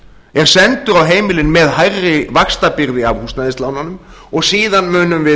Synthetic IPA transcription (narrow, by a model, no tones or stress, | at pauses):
ɛɾ̥sɛnt̪ʏɾawɦeːjmɪlɪnmɛðɦajrːɪvakst̪apɪɾðɪavhust̪aðɪst̪laːwnanʏm | ɔɣsiːðanmʏːnʏmvɪ